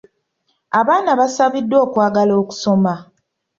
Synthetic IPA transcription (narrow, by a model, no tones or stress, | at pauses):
aβaːnaβasaβidːwo̞ːkwaːɡaloːku̥so̞ma